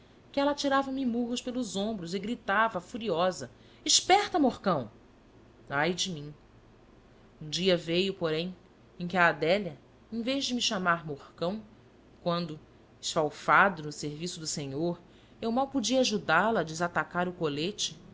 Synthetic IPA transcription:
kɪɛlɐat͡ʃiɾavɐmɪmuɦʊʃpelˠʊzõmbɾʊzɪɡɾit̪avɐfuɾiɔzɐ | iʃpɛɾt̪ɐmohkɐ̃w̃ | ajd͡ʒɪmĩ | ũd͡ʒiɐvejʊpoɾẽj̃ | ẽj̃kʲɪaːd̪ɛljɐ | ẽj̃vejʒd͡ʒɪmiʃamaɾmohkɐ̃w̃ | kwɐ̃nd̪ʊ | ɪʃfawfad̪ʊnʊseɾvisʊd̪ʊsẽɲoɾ | ewmawpud͡ʒiɐaʒud̪alɐːd͡ʒɪzat̪akaɾʊkolet͡ʃɪ

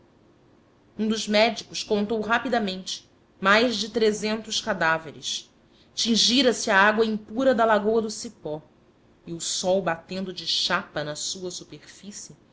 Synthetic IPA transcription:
ũd̪ʊzmɛd͡ʒikʊʃkõnt̪owɦapid̪ɐmẽnt͡ʃɪ̥ | majzd͡ʒɪt̪ɾezẽnt̪ʊʃkad̪aveɾɪ̰ʃ | t͡ʃĩŋʒiɾɐsɪaaɡwɐĩpuɾɐd̪ɐlaɡowɐd̪ʊsipɔ | ɪʊsɔwbat̪ẽnd̪ʊd͡ʒɪʃapɐnɐsuɐsupeχfisɪ

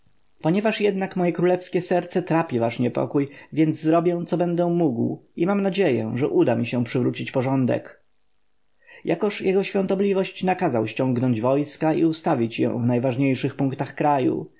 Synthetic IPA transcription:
pɔɲɛvaʂjɛd̪nakmɔjɛkɾulɛfskʲɛsɛɾt̪sɛt̪ɾapʲivaʂɲɛpɔ̰kujvʲjɛnd̪zzɾɔbʲjɛ̃t̪sɔbɛnd̪ɛmuɡwimamnad͡ʑejɛ̰ʐɛʔud̪amʲiɕɛpʂɘvɾut͡ɕit͡ɕpɔʐɔnd̪ɛ̰k | ja̰kɔʂjɛɡɔɕfʲjɔnt̪ɔblʲivɔɕt͡ɕnakazawɕt͡ɕɔ̃ŋɡnɔɲd͡ʑvɔjskaḭust̪avʲit͡ɕjɛ̰̃vnajvaʐɲejʂɘxpuŋkt̪axkɾajṵ

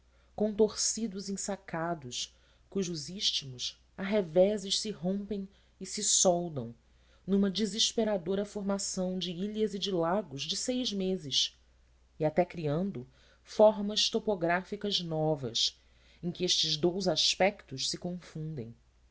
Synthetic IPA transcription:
kõt̪oɾsid̪ʊzĩsakad̪ʊʃ | kuʒʊziʃt͡ʃimʊs | aɦevɛzɪʃsɪɦõmpẽj̃ | ɪsɪsɔwd̪ɐ̃w̃ | nũmɐd͡ʒiziʃpeɾad̪oɾɐfoɾmasɐ̃w̃d͡ʒɪiʎɐzid͡ʒɪlaɡʊzd͡ʒɪsejzmezɪʃ | iat̪ɛkɾiɐ̃nd̪ʊ | fɔɾmɐʃt̪opoɡɾafikɐznɔvɐ̰s | ẽj̃kʲɪeʃt͡ʃɪzd̪owzaʃpɛkt̪ʊʃsɪkõfũnd̪ḛ̃j̃

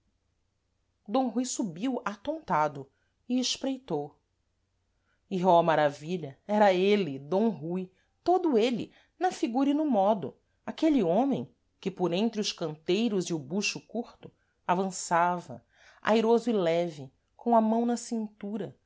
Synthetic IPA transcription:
d̪õw̃ɦujsubiwat̪õnt̪ad̪ʊ | ɪɪʃpɾejt̪ow | iɔmaɾaviʎɐɛɾɐelɪd̪õw̃ɦuj | t̪od̪ʊelɪ̰ | nɐfiɡuɾinʊmɔd̪ʊ̰ | akeliõmẽj̃ | kɪpoɾẽnt̪ɾɪʊʃkɐ̃nt̪ejɾʊziʊbuʃʊkuɾt̪ʊ | avɐ̃savɐ̰ | a̰jɾozʊɪlɛvɪ | kʰõw̃ɐmɐ̃w̃nɐsĩnt̪uɾɐ

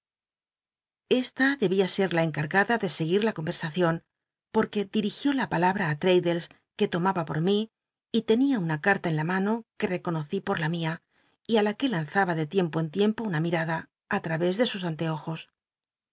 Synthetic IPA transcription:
e̞st̪aðe̞βiase̞ɾlae̞ŋkaɾɣaðaðe̞se̞ɣ̞iɾlako̞mbe̞ɾsaθjo̞n | po̞ɾke̞d̪iɾixjo̞lapalaβɾaːt̪ɾe̞jðe̞ls | ke̞t̪o̞maβapo̞̰ɾmiː | t̪e̞niaunakaɾt̪ae̞nlamano̞ke̞re̞ko̞no̞θipo̞ɾlamia | ialake̞lanθaβaðe̞t̪je̞mpo̞ent̪je̞mpo̞unamiɾaðaː | t̪ɾaβe̞zðe̞sus̬ant̪e̞o̞xo̞s

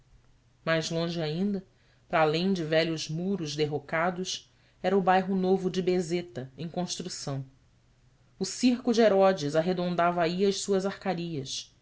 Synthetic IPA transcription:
majzlõʒɪaĩnd̪ɐ | pɾaːlẽj̃d͡ʒɪvɛʎʊzmuɾʊʒd̪eɦokad̪ʊs | ɛɾɐʊbajɦʊnovʊd͡ʒɪbezet̪ɐẽj̃kõʃt̪ɾusɐ̃w̃ | ʊsihkʊd͡ʒɪeɾɔd͡ʒɪzaɦed̪õnd̪avɐaiɐʃsuɐzahkaɾiɐs

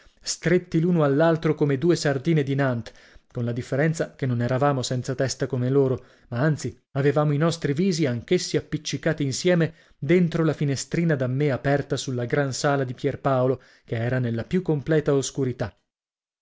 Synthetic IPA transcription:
st̪ɾet̪ːiluːnoalːalt̪ɾokomed̪uːesard̪iːned̪inant̪ | konlad̪ifːeɾɛnt̪sakenːonɛɾavaːmosɛnt̪sat̪ɛst̪akomeloːɾo | maant̪si | avevaːmoinɔst̪ɾiviːziaŋk̟esːiapːit͡ʃːikaːt̪iːnsjɛːme | d̪ent̪ɾolafinest̪ɾiːnad̪amːeapɛrt̪asulːaɡɾansaːlad̪ipjɛrpaːolo | keɛːɾanelːapjukːomplɛːt̪aoskuɾit̪a

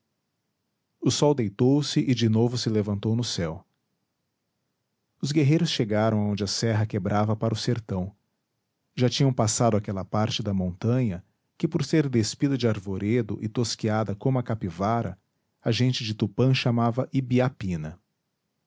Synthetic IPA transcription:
ʊsɔwd̪ejt̪owsɪʔɪd͡ʒɪnovʊsɪlevɐ̃nt̪ownʊsɛw | ʊzɡeɦejɾʊsʃeɡaɾɐ̃w̃aɐõnd͡ʒɪɐsɛɦɐkebɾʔavɐpaɾɐʊseɾt̪ɐ̃w̃ | ʒat͡ʃĩɲɐ̃w̃pasad̪ʊakɛlɐpaɾt͡ʃɪd̪ɐmõnt̪ɐ̃ɲɐ | kɪpoɾseɾd̪espid̪ɐd͡ʒɪaɾvoɾed̪ʊ̰ʔɪt̪oskiad̪ɐkõmʊɐkapivaɾɐ̰ | ɐʒẽnt͡ʃɪd͡ʒɪt̪upɐ̃ʃamavɐʔibiapĩnɐ

